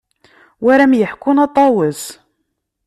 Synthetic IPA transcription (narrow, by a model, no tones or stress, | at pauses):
wæɾæmjəħkʊnɑt̪ˤːɑwəz